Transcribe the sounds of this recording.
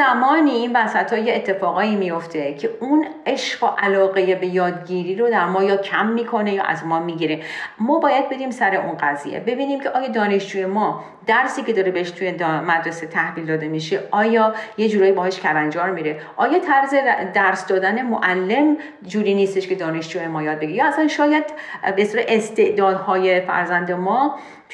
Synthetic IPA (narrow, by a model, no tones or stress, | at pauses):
zæmɒːniinvæsæt̪ʰhɒːjeːt̪ʰːe̞fɒːɣɒːiːmijo̞ft̪ʰe̞cʰeuneʃɢɒʔælɒːɣejebejɒːd̪ɡiːɾiːɾod̪æɾmɒːjɒːcʰæmːiːkʰo̞ne̞jɒ̰ːʔæ̰zmɒːmiːɟiɾemɒːbɒːjæd̪̚be̞d̪iːmsæɾe̞ʔunɢæzḭjḛbe̞biːniːmcʰe̞ʔɒːjɒːd̪ɒːne̞ʃd͡ʒuːje̞mɒː | d̪̥æɾsiːce̞d̪ɒːɾebeheʃt̪ʰujed̪mæd̪ɾese̞t̪ʰæhviːld̪ɒːd̪e̞miːʃeʔɒːjɒːje̞d͡ʒuːɾɒːjibɒːɦeʃcʲʰæɾænd͡ʒɒːɾmiːɾe | ʔɒːjɒːt̪ʰæɾzed̪æɾsd̪ɒːd̪æne̞moʔælːe̞m | d͡ʒuːɾiːniːst̪e̞ʃkʰe̞d̪ɒːne̞ʃd͡ʒuemɒːjɒːd̪̚beɡiɾejɒːæsænʃɒːjæd̪best̪ːɾeʔest̪e̞ʔd̪ɒːd̪hɒːje̞fæ̰ɾzænd̪emɒː